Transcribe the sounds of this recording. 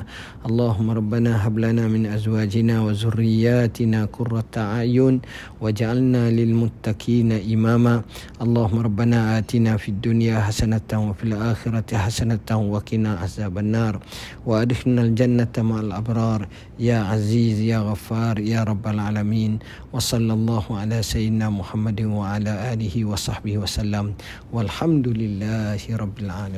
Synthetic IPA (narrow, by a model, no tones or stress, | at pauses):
ʔɑlˤːɑːɦʊmːaɾˤɑbːanaːɦablanaːmɪnʔazwaːd͡ʒɪnaːwazʊrːɪjːaːt̪ɪnaːkʊrːat̪aʕajʊn | wad͡ʒaʕalnaːlɪlmʊt̪ːakʰiːnaʔɪmaːmaːʔɑlˤːɑːhʊmːɑɾˤɑbːanaːʔaːt̪inaːfiad̪ːʊnjaːɦasanat̪wafilʔaːxɪɾˤɑħasanat̪wakɪnaːʔahzaːbanːɑːɾˤ | waʔad̪ɪxnald͡ʒanːat̪maʕalʔɑbɾˤɑːɾˤ | jaːʕaziːzjaːɣafːɑːɾˤjaːɾˤɑbːalʕaːlamiːn | wɑsˤɑlːɑlˤːɑːhʊʕalaːsajɪd̪ɪnaːmʊħamːad̪ɪnwaʕalaːʔaːlɪhiwɑsˤɑħbɪhwasalːam | walħamd̪ʊlɪlːaːhɪɾˤɑbːɪlʕaːlː